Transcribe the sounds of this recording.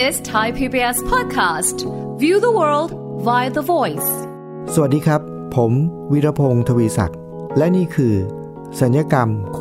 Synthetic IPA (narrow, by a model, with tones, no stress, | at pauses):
ɪstʰaɪpʰipiɛspʰɔd̚kʰastvjuːðəwɜ˞ld | vaɪðəvɔɪs | sa˨˩a˩t̪̚diː˧kʰɾa˦˥pʰːo˩˦m | wi˦˥ɾa˧pʰoː˧ŋt̪ʰa˧wiː˧sa̰˨˩k̚ | lɛ˦˥niː˥˩kʰɯː˧ | sa˩˦njaː˧ka˧mk